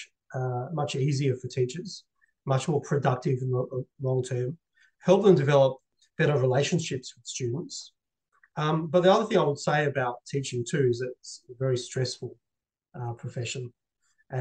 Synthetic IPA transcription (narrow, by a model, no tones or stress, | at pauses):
ʌmʌt͡ʃiziə˞fə˞tʰit͡ʃə˞z̥ | mʌt͡ʃmɔɹpʰɹ̥ɨdʌk̚tɨvɨ̃n̩ðəlɔ̃ŋtʰɜ̃˞m | hɛlˠp̚ðə̃mdɨvɛlˠəp̚ | b̥ɛɾə˞ɹileɪʃɨ̃n̩ʃɪpswɨð̥stʉdⁿn̩ts | ʌ̃mbʌt̪̚ðiʌðə˞θɪ̃ŋaɪwəd̥seɪɨbaʊtʰit͡ʃɪ̃ŋtʰʉɪzɨɾɪsəvɛɹistɹ̥ɛsfl̩ˠ | ʌpʰɹ̥əfɛʃɨ̃n | ʔɨ̃